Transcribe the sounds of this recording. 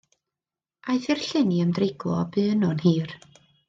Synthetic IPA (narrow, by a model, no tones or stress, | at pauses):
ajθɪrɬɪniəmdrɪɡlˠɔbɨːnɔnhiːr